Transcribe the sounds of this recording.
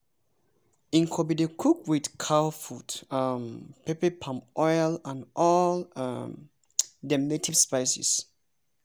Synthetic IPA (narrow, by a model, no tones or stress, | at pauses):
ĩŋkʰobidekʰukwidkʰawfutampepepʰãmʔɔjlãnʔɔlam | dɛmnetʰivspaɪsḭs